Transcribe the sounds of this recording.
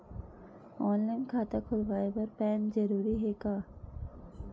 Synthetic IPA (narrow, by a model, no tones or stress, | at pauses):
ɔːnlaːɪnkʰaːt̪akʰʊlʋaːepɐɾpɛːnzɐɾuːɾiɦɛːkaː